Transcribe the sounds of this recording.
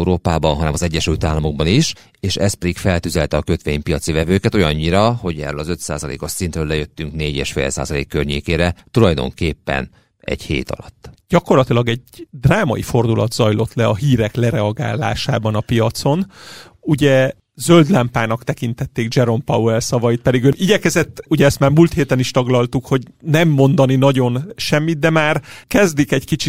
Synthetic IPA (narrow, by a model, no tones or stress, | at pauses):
uɾoːpaːbɒnɦɒnɛmɒzɛɟːɛʃylt̪aːlːɒmo̞ɡ̚bɒniʃ | eːʃɛs̚pɛd̪ikfɛlt̪yzɛlt̪ɛɒkøt̪ʋeːɲpijɒt̪sivɛvøːkɛt̪ojɒɲːiɾɒho̞ɟɛ̰rølɒzø̞t̪sa̰ːzɒlḛːko̞ʃsint̪røːlɛjøt̪ːyŋkneːɟḛːʃfḛːlsa̰ːzɒlḛːkːørɲeːkeːɾɛt̪ulɒjd̪o̞̰ŋkeːpːɛ̰n | ɛ̰ɟhḛːt̪ɒ̰lɒt̪ːɟ̥ɒko̞rlɒt̪ilɒɡɛɟd̪raːmɒifo̞rd̪ulʔɒ̰d̪zɒjlo̞t̪lɛɒɦiːɾɛklɛɾɛɒɡa̰ːlːa̰ːʃa̰ːbɒnɒpijɒt̪so̞n | uɟɛ | zøld̪lɛmpaːnɒkt̪ɛkint̪ɛt̪ːeːɡd͡ʒɛɾo̞mpɒwɛlsɒvɒjit̪̚pɛd̪iɡøniɟɛkɛzɛt̪ːuɟɛɛst̪maːrmult̪heːt̪ɛniʃt̪ɒɡlɒlt̪ukho̞ɟnɛmːo̞nd̪ɒninɒɟo̞nʃɛmːid̪̚d̪ɛmaːrkɛzd̪ikɛɟkit͡ʃi